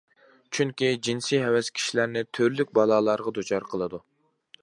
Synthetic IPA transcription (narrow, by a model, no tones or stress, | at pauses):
t͡ʃʰyŋkʲid͡ʒinsijɦɛwɛskʲʰi̥ʃilæɾnɪt̪ʰøɾlyk̚ʲbɑlˠɑːlˠɑɾʁɑd̪ut͡ʃʰɑɾqʰəlˠɨd̪u